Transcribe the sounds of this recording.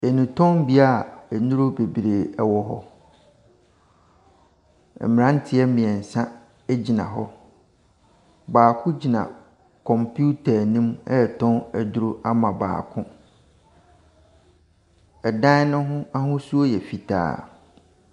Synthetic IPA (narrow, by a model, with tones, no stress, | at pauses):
e˨nũ˨tʰɔ̃˦m˦bi˦a˦˨ɛ˨nũ˦ɾo˦be˨bi˨ɾe˨ɛ˨wɔ˦ɦɔ˦ | ɛ̰˨mɪ˨ɾã˦n̩˦tʰɪ˦ɛ˦mɪ̃˨ɛ˨n̩˨sã˦ | æ˦d͡ʑi˨nã̰˨ɦɔ˦ | baː˨kʰʊ̃˦d͡ʑi˨nã̰˨ | kʰɔ̃˨mpʰu˦tʰa˨nĩ˦mɛ˦˨tʰɔ̃˦næ˨du˦ɾo˦ʔa˦mã˨ba̰ː˨kʰʊ̃˦ | ɛ˨dã˦nʊ̃˦ɦʊ̃˦a˦ɦʊ̃˦su˦o˦jɛ˨fi˨tʰa̰ː˨